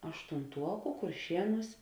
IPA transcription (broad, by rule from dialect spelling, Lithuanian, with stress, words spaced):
ɐʃtʊnˈtuɔkʊ kʊrʲˈʃʲiɛˌnuːs